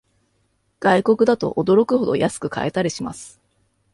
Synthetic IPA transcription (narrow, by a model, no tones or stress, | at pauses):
ɡ̥aiko̞kɯ̟d̪at̪o̞̰ʔod̪o̞ɾo̞kɯ̟ɦod̪o̞̰jʔasɨ̥kɯ̟ka̰e̞t̪aɾʲiɕima̰sɨ̥